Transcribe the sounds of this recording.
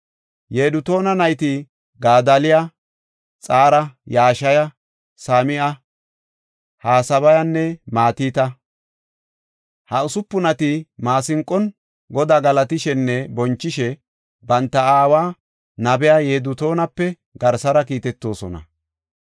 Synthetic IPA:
jeːd̪ʊt̪o̞ːnɐnɐjt̪ɪ | ɡaːd̪ɐlɪja | t͡sʼaːɾɐjaːʃɐjɐ | saːmɪʔɐ | haːsɐβɐjɐnːɛmaːt̪iːt̪ɐ | hɐʊsʊpːʊnɐt̪ɪmaːsɪŋkʼːɔn | ɡɔd̪aːɡɐlɐt̪ɪʃɛnːɛbɔnt͡ʃːɪʃɛ | bɐnt̪ːɐaːwaː | nɐbɛjajeːd̪ʊt̪o̞ːnɐpːɛ | ɡɐɾsɐɾɐkiːt̪ɛt̪ːo̞ːsɔnɐ̰

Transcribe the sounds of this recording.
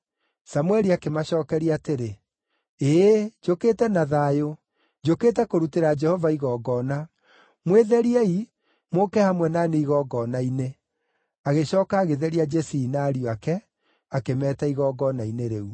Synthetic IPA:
samwɛɾiakemaɕɔːkɛɾiateɾe | ed͡ʒoketɛnaðajo | d͡ʒokeːtɛkoɾuteɾad͡ʒɛhɔvaiɣɔːɡɔna | mweðɛɾiɛi | mokɛhamwɛnaneiɣɔɡɔnaine | aɣeɕɔːkaːɣeðɛɾiad͡ʒɛsiinaːɾioakɛ | akemɛːtaiɣɔːɡɔnaineɾeu

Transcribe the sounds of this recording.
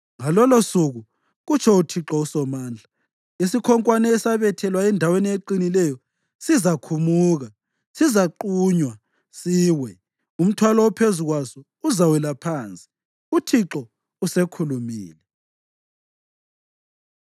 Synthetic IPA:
ŋalɔlosuɣu | ɣut͡ʃʰɔutʰiǁɔusɔmaːnd͡ɮʱa | isikʰɔŋkʼwanɛːsaβɛtʰɛlwaɛndʱawenieǃinilɛjɔ | sizakʰumuːɣa | sizaǃuːɲwa | siːwɛ | um̩tʰwalɔwɔpʰezuɣwasɔ | uzawɛlapʰaːnt͡sʼi̥ | utʰiǁɔ | usekʰulumḭːlɛ

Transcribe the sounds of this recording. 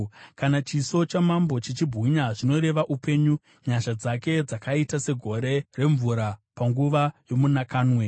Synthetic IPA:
kanat͡ʃiso̞t͡ʃamambo̞t͡ʃet͡ʃibʱɣiɲaʐino̞ɾe̞ʋaʔupe̞ɲu | ɲaʃad͡zake̞d͡zakaitase̞ɡʱo̞ɾe̞re̞ɱvuɾapaŋɡuʋajo̞munakaːnwe̞

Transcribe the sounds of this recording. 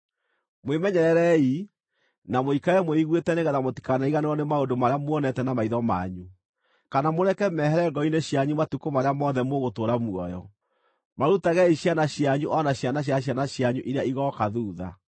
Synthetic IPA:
mwemɛɲɛɾɛɾɛi | namoikaɛmweiɣwetɛneɣɛðamoti̥kanaiɣaneɾɔnemaondomaɾeamwɔnɛtɛnamaiðɔma̰ɲu | kanamoɾɛkɛmɛhɛɾɛŋɡɔineɕjaɲumatukomaɾeamɔðɛmoɣotoɾamuɔjɔ | maɾutaɣɛiɕjanaɕjaɲuʔɔnaɕjanaɕ̬aɕ̬janaɕjaɲuʔiɾejaiɣɔkaðuːða̰

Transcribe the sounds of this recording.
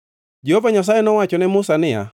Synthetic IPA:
d͡ʒɛhovaɲas̬ajɛnɔwat͡ʃɔnɛmʊsanɪja̰

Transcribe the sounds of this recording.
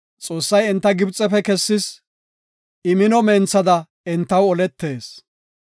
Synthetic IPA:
t͡sʼo̞ːsːɐjɛnt̪ːɐɡɪbt͡sʼːɛpɛkɛsːɪs | ɪmɪnɔmɛːnt͡sːɐd̪ɐ | ɪnt̪ːɐwɔlɛt̪ːe̞ːs

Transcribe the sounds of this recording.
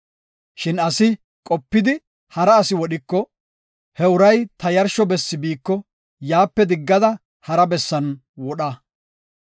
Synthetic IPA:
ʃɪnɐsɪ | kʼɔpːɪd̪ɪ | hɐɾɐːsɪwɔɗɪkːɔ | hɛʊɾɐjt̪ɐjɐɾʃɔbɛsːɪbiːkːɔ | jaːpːɛd̪ɪɡːɐd̪ɐ | hɐɾɐbɛsːɐn | wɔɗɐ

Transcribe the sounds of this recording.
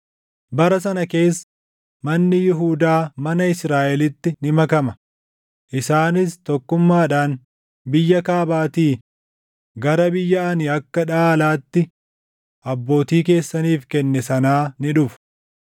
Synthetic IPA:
bɐɾɐs̬ɐnɐke̞ːsː | mɐnːɪjɪɦuːd̪aːmɐnɐɪsɾaːʔɛlɪt̪ːɪnɪmɐkɐmɐ | ʔɪsaːnɪst̪ɔkːʊmːaːᶑaːn | bɪjːɐkaːbaːt̪iː | ɡɐɾɐbɪjːɐɐnɪɐkːɐᶑaːlaːt̪ːɪ | ʔɐbːo̞ːt̪iːk̬e̞ːsːɐniːfkɛnːɛsɐnaːnɪᶑʊf

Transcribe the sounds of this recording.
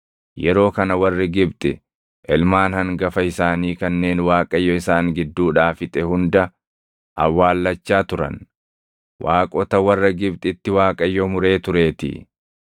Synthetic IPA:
jɛɾo̞ːkɐnɐwɐrːɪɡɪbt̪ʼɪ | ʔɛlmaːnhɐŋɡɐfɐɪsaːniːkɐnːe̞ːnwaːkʼɐjːɔɪsaːŋɡɪd̪ːuːᶑaːfɪt̪ʼɛhʊnd̪ɐ | ʔɐ̰wːaːlːɐt͡ʃːaːt̪ʊɾɐ̰n | waːkʼɔt̪ɐwɐrːɐɡɪbt̪ʼɪt̪ːɪwaːkʼɐjːɔmʊɾe̞ːt̪ʊɾe̞ːt̪ɪ̰

